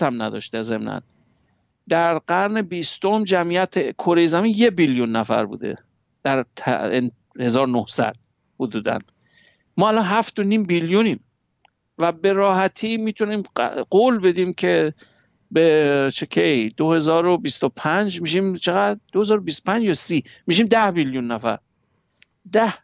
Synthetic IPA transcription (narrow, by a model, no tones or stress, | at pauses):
t̪ʰæmnæd̪ɒ̰ːʃt̪eze̞mnæ̰n | d̪æɾɢæɾne̞bist̪omd͡ʒæmijæt̪ʰekʰoɾe̞jezæmiːnjebiljunːæfæ̰ɾbṵːd̪e̞̰ | d̪̥æɾt̪ʰn | he̞zɒːɾonohsæ̰d̪̥̚ | hod̪uːd̪æ̰n | mɒːælɒːnɦæft̪onimbiljuniːm | væbe̞ɾɒːhæt̪ʰiːmiːt̪ʰuniːmɢolbe̞d̪iːmkʰe̞ | bet͡ʃʰekʰejd̪̥ohe̞zɒːɾobist̪opʰænd͡ʒmiʃimt͡ʃʰeɣæd̪̚d̪ohezɒːɾobist̪opʰænd͡ʒjɒsiː | miʃ̬iːmd̪æhbiljunːæfæ̰ɾ | d̪æh